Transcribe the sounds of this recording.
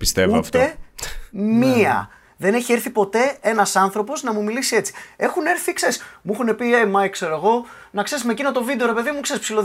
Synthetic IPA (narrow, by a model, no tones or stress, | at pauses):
pi̥st̪evuoɐft̪e̞ | miɐ̰ | ðe̞ne̞çieɾθipo̞t̪e̞e̞nɐsɐnθɾo̞po̞znɐmumilisie̞t͡si̥e̞xune̞ɾθikseɾismuxune̞piemɐikse̞ɾoeɣo̞ | nɐkseɾismecino̞t̪o̞vid̪eo̞ɾe̞pe̞ðimukseɾispsilo